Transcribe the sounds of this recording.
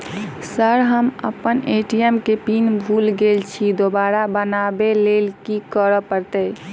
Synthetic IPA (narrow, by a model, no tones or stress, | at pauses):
səɾɦəmə̰pəneʈiɛmkepinbʱulɡelt͡ʃʰid̪obaɾabənabelelkikəɾəpəɾt̪ə